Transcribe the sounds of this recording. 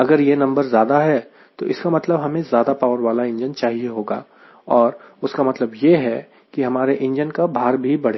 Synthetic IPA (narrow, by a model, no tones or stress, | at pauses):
ɐɡəɾjenɐ̃mbəɾzjaːd̪aɦɛ | t̪oʔɪskamɐt̪ləbɦɐmẽzjaːd̪apaːʊəɾʋaːlaɪ̃ɲd͡ʒənt͡ʃaːɦieɦoːɡa̰ː | ɔːɾʊskamɐt̪ləbjeɦɛ | kiɦɐmaːɾeʔɪ̃ɲd͡ʒənkabʱaːɾbʱibɐɽeː